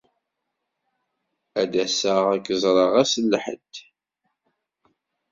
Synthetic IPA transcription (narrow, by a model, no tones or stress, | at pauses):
æd̪æsəʁækːəzˤɾˤəʁæsəlːħə̰d̪